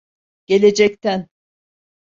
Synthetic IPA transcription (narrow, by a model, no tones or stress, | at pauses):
ɟ̥e̞lʲe̞d͡ʒɛc̚t̪ʰæn